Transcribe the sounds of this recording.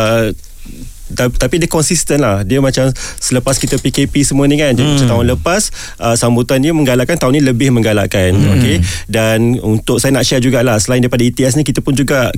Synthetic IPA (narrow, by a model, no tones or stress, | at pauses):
ə | t̪at̪apidəkɔnsist̪ənlahdiəmat͡ʃamsələpaskit̪əpikepisəmuanĩkand͡ʒadimat͡ʃamt̪aɦʊnləpas | ʔəsambut̪anɲamə̃ŋɡalaʔkant̪aɦʊnɲiləbɪhmə̃ŋɡala̰ʔkano̰kedanunt̪ʊk̚sajənaʔʃɛrd͡ʒuɡalahsəlaĩɪndaɾipadait̪iɛs̬ɲikit̪apʊnd͡ʒuɡa